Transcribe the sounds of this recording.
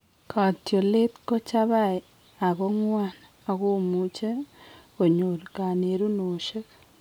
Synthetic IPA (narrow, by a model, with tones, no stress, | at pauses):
kʰa˨tjo˨le˦tko˦t͡ʃa˦βa˦e | a˨βo˦ŋwa˦n | a˨ɣo˦mu˦t͡ʃe˦ɣo˨ɲo˨ɾka˨ne˨ɾu˦no˨ʃe˦k